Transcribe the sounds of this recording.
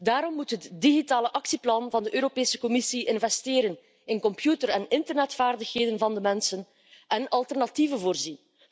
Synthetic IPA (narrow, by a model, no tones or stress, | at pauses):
daːɾɔmːutɦətdiɣitaːləʔɑksiplɑnvɑndəʔøːɾopeːsə̥kɔmɪsiʔɪnvɛsteːɾən | ɪnkɔmpjutərɛnɪntərnɛtfaːrdəxɦeːdənvɑndəmɛnsən | ʔɛnɑlˠtɛrnɑtivənvoːrzin